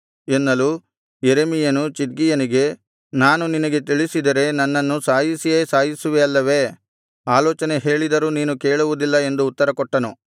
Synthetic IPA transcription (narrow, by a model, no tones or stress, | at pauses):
enːɐlu | jeɾemijɐnut͡ʃiʈ̪̚ɡijɐniɡe̞ | naːnuninɐɡe̞t̪iɭisid̪ɐɾe̞nɐnːɐnːusaːjisijeːsaːjisuʋeɐlːɐʋe̞ | aːlɔːt͡ʃɐne̞ɦe̞ːɭid̪ɐɾuniːnuke̞ːɭuʋud̪ilːɐe̞nd̪uːt̪ːɐɾɐkɔʈːɐnu